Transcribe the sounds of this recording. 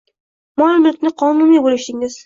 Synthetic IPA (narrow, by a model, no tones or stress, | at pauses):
mɒlmɪlkʲnɪqʰɒnumibolɪʃɪŋɪz̥